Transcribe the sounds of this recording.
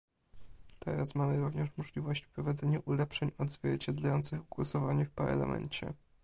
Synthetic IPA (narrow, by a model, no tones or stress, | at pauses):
t̪ʰɛ̰ɾasmamɘɾuvɲɛʂmɔʐlʲivɔɕt͡ɕfpɾɔvad̪zɛɲuʔulɛpʂɛɲɔd̪zvʲjɛɾt͡ɕɛd̪lajɔnt̪sɘɣɡwɔsɔvaɲɛfpɛ̰ɾla̰mʔɛ̰ɲt͡ɕɛ̰